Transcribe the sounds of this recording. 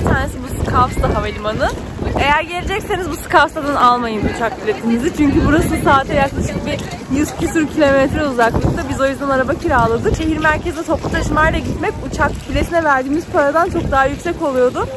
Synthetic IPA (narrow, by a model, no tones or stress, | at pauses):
it̪ʰaːnesibusɯ̥kʰafsd̪ˠaɦamelʲimanɯ | e̞jæɾɟe̞lʲed͡ʒɛcse̞nizbusɯ̥kafsad̪analˠmajɯmbut͡ʃʰak̚pylʲe̞t̪ʰimizit͡ʃʰyɲcybuɾasɯsaːt̪ʰɛjaklˠaʃɯk̚bi | jyzcʰysuɾcʰilʲo̞met̪ɾɛuzaklˠɯk̚t̪ʰabizo̞jyzd̪anaɾabacʰiɾaːlˠad̪ɯkʃe̞ɦiɾmæɾcʰezd̪ɛt̪ʰo̞plˠut̪ʰaʃɯmajlʲˠaɟit̪mɛcut͡ʃʰak̚pʰylʲet̪ʰinɛvæɾd̪iːmiz̥pʰaɾad̪ant͡ʃʰo̞k̚d̪aɦajycsɛco̞lˠujo̞d̪ʊ